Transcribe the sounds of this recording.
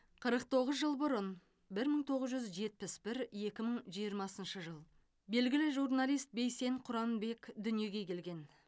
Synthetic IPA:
qʰəɾəq̚t̪ʰo̞ʁəzʒəlˠbʊɾən | bɪɾməɴt̪ʰo̞ʁəzʒʏzʒe̞t̪̚pɪsbɪɾje̞kʲɪməɴʒijəɾmɑsənʃəʒəlˠ | be̞lɡʲɪlɪʒurnalijst̪̚be̞jse̞ɴqʰʊɾɑnbe̞kʲd̪ʏnije̞ɡʲe̞kʲʰe̞lɡʲe̞n

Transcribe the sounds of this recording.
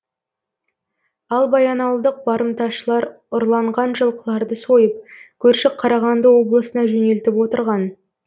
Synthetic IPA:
ɑlˠbɑjɑnɑwlˠd̪əq̚bɑɾəmt̪ɑʃəlˠɑɾ | ʊɾlˠɑɴʁɑnʒəlˠqəlˠɑɾd̪əso̞jəp̚kʲʰɵɾʃɪk̚qʰɑɾɑʁɑnd̪əwo̞blˠəsənɑʒɵne̞lt̪ɪpwo̞t̪əɾʁɑn

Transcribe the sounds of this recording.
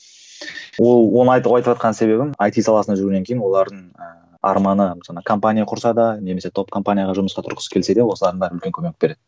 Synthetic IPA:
wo̞lˠwo̞nəɑjt̪əpɑjt̪əpʒɑt̪qɑnəse̞βe̞bɪmajt̪ijsɑlˠɑsənɑʒʏɾuɡʲne̞ŋkʲʰejɪnwo̞lˠɑɾd̪əɴə | ɑ̰ɾmɑnəsɑɑkʰompanʲijaqʰʊɾsɑd̪ɑne̞me̞se̞t̪ʰo̞p̚kʰompanʲijaʁɑʒʊməsqɑt̪ʰʊɾqə̥sə̥kʲʰe̞lse̞d̪e̞wo̞səlˠɑɾd̪əŋbæɾəʏlkʲe̞ŋkʲʰɵmenɪkbe̞ɾe̞d̪̥ɪ

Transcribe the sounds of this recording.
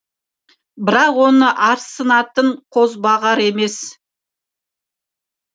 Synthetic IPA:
bɪɾɑqwo̞nəʔɑɾsənɑt̪əɴqʰo̞zbɑʁɑɾe̞me̞s

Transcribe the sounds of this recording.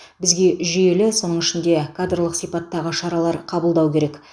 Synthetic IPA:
bɪzɡʲe̞ʒije̞lɪso̞nəɴɪʃɪnd̪e̞kʰad̪rlˠəqsijpɑt̪ːɑʁəʃɑɾɑlˠɑɾqʰɑbəlˠd̪ɑwkʲʰe̞ɾe̞k

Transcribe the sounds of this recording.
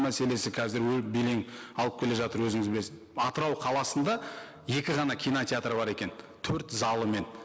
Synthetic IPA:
mæse̞le̞sɪkʲʰæzɪɾwɵlbele̞ŋɑlˠəpkʲʰe̞le̞ʒɑt̪əɾwɵzɪŋɪzbɪle̞sɪzɑt̪əɾɑwqʰɑlˠɑsənd̪ɑ | je̞kʲɪʁɑnɑkʲʰijnot̪ʲeat̪ɾəbɑɾe̞kʲe̞n | t̪ʰɵɾt̪zɑlˠəme̞n

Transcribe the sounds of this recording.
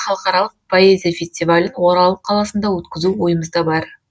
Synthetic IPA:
χɑlˠəqɑɾɑlˠəq̚pʰo̞ezʲijafʲesʲt̪ʲivalʲənwo̞ɾɑlˠəqʰːɑlˠɑsənd̪ɑwɵt̪kʲɪzuwo̞jəməzd̪ɑbɑɾ

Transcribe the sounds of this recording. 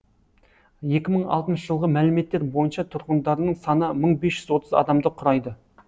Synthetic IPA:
je̞kʲɪməɴɑ̰lˠt̪ənʃəʒəlˠʁəmælɪme̞t̪ːe̞ɾbo̞jənʃɑt̪ʰʊɾqənd̪ɑɾənəɴsɑnəməɴbesʒʏzwo̞t̪əzɑ̰d̪ɑmd̪əqʰʊɾɑjd̪ə

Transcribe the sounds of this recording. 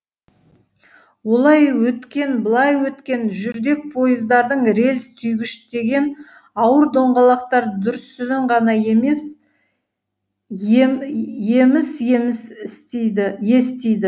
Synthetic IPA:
wo̞lˠɑjwɵt̪kʲe̞nbəlˠɑjwɵt̪kʲe̞nʒʏɾd̪e̞k̚pʰo̞jəzd̪ɑɾd̪əɴɾe̞lst̪ʰʏjɡʲɪʃt̪e̞ɡʲe̞n | ɑwəɾd̪o̞ɴʁɑlˠɑqt̪ɑɾd̪ʊɾsʏnɪɴʁɑnɑjemes | je̞mɪsemɪsɪsje̞st̪ejd̪ɪ

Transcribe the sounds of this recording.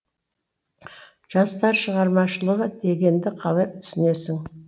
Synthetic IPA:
ʒ̥ɑst̪ɑɾʃəʁɑɾmɑʃəlˠəʁəd̪e̞ɡʲe̞nd̪ɪqʰɑlˠɑjp̚t̪ʰʏ̥sɪne̞sɪŋ

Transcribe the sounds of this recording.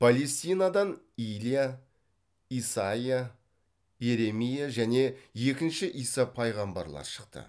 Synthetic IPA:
pʰale̞st̪ijnɑd̪ɑn | ilija | isaija | je̞ɾe̞mijaʒæne̞je̞kʲɪnʃɪʔijsɑpʰɑjʁɑmbɑ̰ɾlˠɑ̰ɾʃə̥qt̪ə̰

